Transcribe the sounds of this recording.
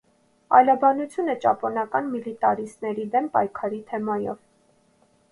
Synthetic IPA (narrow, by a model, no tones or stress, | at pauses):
ɑ̰jlɑbɑnut͡sʰjunət͡ʃɑ̰pɔnɑkɑnmilit̪ɑɾisnɛɾid̪ɛmpɑjkʰɑɾit̪ʰɛmɑjɔ̰v